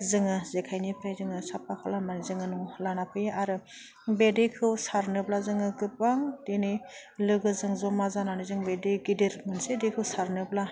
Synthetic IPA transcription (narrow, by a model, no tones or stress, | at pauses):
zɯŋɯzekʰajnipʰajzɯŋɯsap̚ʰakʰɔlamanizɯŋɯnulanapʰɯjaaɾɯ | bedekʰɯwsaɾnɯblazɯŋɯɡɯp̚ːaŋdenɯj | lɯɡɯzɯŋzɔmazananizɯŋbedeɡidiɾmɯnsedekʰɯwsaɾnɯbla